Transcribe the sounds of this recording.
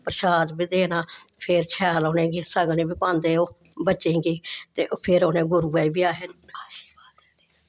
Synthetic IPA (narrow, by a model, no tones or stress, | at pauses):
pəɾʃaːd̪biːd̪eːnaːpʰeɾt͡ʃʰɛːloːnẽːɡiːsəɡnĩːbiːpãːnd̪eːoː | bətːt͡ʃẽːɡiːt̪eːʔoːpʰeɾoːnẽːɡʊɾuːɛːibiːaːɦɪnaːʃi̥ːbaːt̪ed̪e